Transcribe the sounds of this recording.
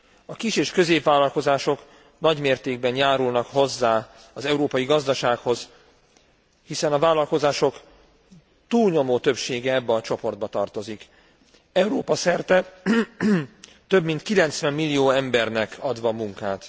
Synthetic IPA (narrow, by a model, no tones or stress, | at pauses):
ɒkiʃeːʃkø̞zeːpʋaːlɒlko̞zaːʃo̞k | nɒɟmeːrt̪eːɡ̚bɛnjaːɾulnɒkho̞zːaː | ɒzɛuɾoːpɒjiɡɒzd̪ɒʃaːkho̞z̥ | hisɛnɒvaːlɒlko̞zaːʃo̞k | t̪uːlɲo̞moːt̪øpʃeːɡɛɛbːɛɒt͡ʃo̞po̞rd̪̚bɒt̪ɒrt̪o̞zik | ɛuɾoːpɒsɛrt̪ɛ | t̪øbmint̪kilɛnt̪sʋɛmːilːijoːɛmbɛrnɛkɒd̪ʋɒmuŋkaːt̪